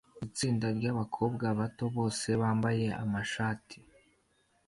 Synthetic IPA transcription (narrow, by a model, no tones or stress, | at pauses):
it͡siːndaɾɟaβakʰo̞ːb̚ɡaβato̞βo̞ːse̞βaːmbaje̞a̰maʃaːtʰi̥